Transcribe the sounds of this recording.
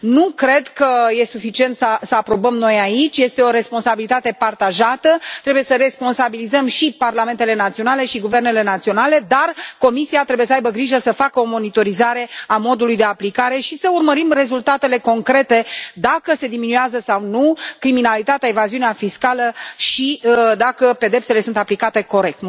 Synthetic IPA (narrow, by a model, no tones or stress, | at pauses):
nukɾe̞d̪kəje̞sufit͡ʃie̞nt̪səsəapɾo̞bəmno̞jait͡ʃʲje̞st̪e̞o̞ɾe̞spo̞nsabilit̪at̪e̞part̪aʒat̪ət̪ɾe̞buje̞səɾe̞spo̞nsabilizəmʃiparlame̞nt̪ele̞nat̪sio̞nale̞ʃiɡuve̞rne̞le̞nat̪sio̞nale̞d̪arko̞misiat̪ɾe̞bujes̬əajbəɡɾiʒəsəfakəo̞mo̞nit̪o̞ɾizaɾe̞amo̞d̪ulujd̪e̞aplikaɾe̞ʃisəurməɾimre̞zult̪at̪e̞le̞ko̞ŋkɾe̞t̪ed̪akəse̞d̪iminueazəsawnukɾiminalit̪at̪eaevaziuneafiskaləʃid̪akəpe̞d̪e̞pse̞le̞sunt̪aplikat̪e̞ko̞ɾe̞k̚t̪